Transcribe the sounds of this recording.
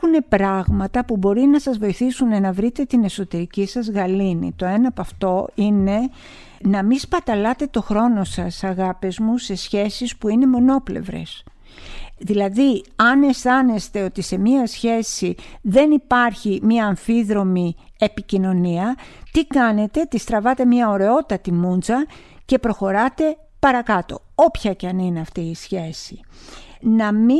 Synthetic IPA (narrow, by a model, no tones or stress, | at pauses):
une̞pɾɐɣmɐt̪ɐpubo̞ɾinɐsɐzvo̞iθisunenɐvɾit̪e̞t̪ine̞so̞t̪e̞ɾicisɐzɣɐlinḭt̪o̞enɐpɐft̪o̞ine̞ | nɐmispɐt̪ɐlɐt̪e̞t̪o̞xɾo̞no̞sɐsɐɣɐpizmuse̞sçe̞sispuine̞mo̞no̞ple̞̰vɾe̞̰s | ðilɐðiɐne̞sθɐnest̪e̞o̞t̪ise̞miɐsçe̞siðe̞nipɐɾçimiɐːɱfiðɾo̞miepicino̞niɐt̪ikɐne̞t̪e̞t̪ist̪ɾɐvɐt̪e̞mɲɐoɾe̞o̞t̪ɐt̪imunzɐ | ce̞pɾo̞xo̞ɾɐt̪e̞ | pɐɾɐkɐt̪o̞̰ | o̞pçɐceɐnine̞ɐft̪iːsçe̞si | nɐmi